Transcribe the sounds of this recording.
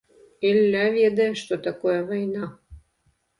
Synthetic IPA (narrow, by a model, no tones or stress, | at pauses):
elːævʲed̪eʃt̪ot̪ɑkojəvɑjnɑ